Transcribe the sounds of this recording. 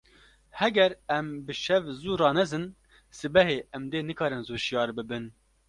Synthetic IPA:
hɛɡɛɾɛmbɨʃɛvzuːɾɑːnɛzɨn | sɨbɛɦeːʔɛmd̪eːnɨkʰɑːɾɨnzuːʃijɑːɾbɨbɨn

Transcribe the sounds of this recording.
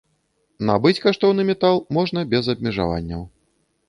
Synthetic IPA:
na̰bɨt͡sʲkaʂt̪ɔwnɨmʲɛt̪alˠmɔʐnɐbʲɛzɐb̚ʲmʲɛʐa̰va̰nʲːɐw

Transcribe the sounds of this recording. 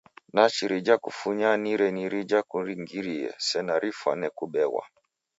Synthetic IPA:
nat͡ʃiɾid͡ʒakufuɲaniɾɛniɾid͡ʒakuɾiŋɡiɾiɛ̰sɛnaɾʔifwa̰nɛkuɓɛwa̰

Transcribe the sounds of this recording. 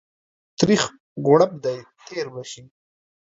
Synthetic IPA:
t̪ɾix | ɡʊɽab̚d̪ajt̪ʰeːɾbaʃi

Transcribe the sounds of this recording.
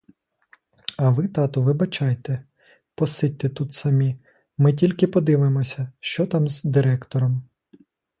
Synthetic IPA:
ɐʋɪt̪ɑt̪ɔʋɪbɐt͡ʃɑjt̪ɛ | pɔsɪt̚ʲt̪et̪ut̪sɐmʲi | mɪtʲilʲkɪpɔd̪ɪʋɪmɔsʲɐʃt͡ʃɔt̪ɑmzd̪ɪɾɛkt̪ɔɾɔm

